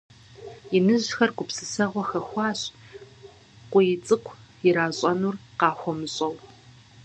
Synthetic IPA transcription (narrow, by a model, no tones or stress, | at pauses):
jɪnɨʑxɐrɡʷʊpsɨsɐʁʷɔxɐxʷɑːɕ | qʷʊjɪt͡sʼɨqʷʰjɪɾaːɕʼɐnuːrqɑːxʷɔmɨɕʼɐw